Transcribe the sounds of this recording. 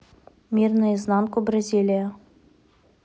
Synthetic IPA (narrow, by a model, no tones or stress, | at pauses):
mʲirnɨjəznɑnkʊbrɐzʲilʲɪjə